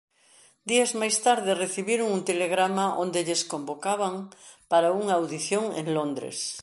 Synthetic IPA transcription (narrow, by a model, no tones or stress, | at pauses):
d̪iazmajst̪aɾðɪreθiβiɾoŋunt̪eleɣɾamaʔõnd̪eʎeskombokaβaŋpaɾauŋaːwðiθjoŋḛŋlond̪ɾḛs